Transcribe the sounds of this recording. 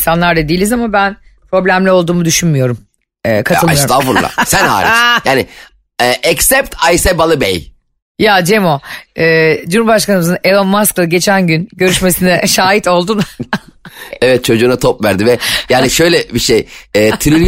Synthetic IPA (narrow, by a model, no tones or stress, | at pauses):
sanlˠaɾd̪ad̪ijilʲizamabænpɾo̞blʲæmlʲɛo̞lˠd̪uːmud̪yʃynmyjo̞ɾum | ɛːkʰat̪ʰɯlˠiosɾafuɾˠa̰sænha̰ːɾḭjaːnɪ | ɛʔɛksɛp̚t̪ʰajsɛbalˠɯbḛj | jad͡ʒe̞mo̞ɯːd͡ʒunubaʃkanɯmɯzɯnelˠonmasklˠaɟe̞t͡ʃʰænɟynɟø̞ɾyʃme̞sinɛʃaːɦit̪ʰo̞lˠd̪un | ɛvɛt̪̚t͡ʃʰo̞d͡ʒuːnat̪ʰopvæɾd̪ivɛjaːniʃøjlʲɛbiʃejɛːt̪ʰiɾy